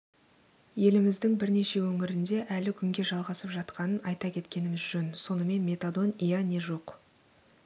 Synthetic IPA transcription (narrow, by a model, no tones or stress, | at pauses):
je̞lɪmɪzd̪ɪŋbɪɾne̞ʃe̞wɵŋɪɾɪnd̪e̞ʔælɪkʲʰʏŋɡʲe̞ʒɑlˠʁɑsəpʒɑt̪qɑnənɑjt̪ɑkʲʰe̞t̪kʲe̞nɪmɪzʒɵnso̞nəme̞nmʲe̞t̪ad̪o̞nijane̞ʒo̞q